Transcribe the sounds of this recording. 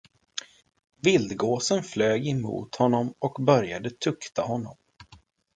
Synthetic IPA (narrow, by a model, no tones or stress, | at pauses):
vɪld̪ɡoːsənfløːɡɪmṵːt̪hɔnːɔmɔkbœɾjad̪ət̪ʰɵkt̪ʰahɔnːɔm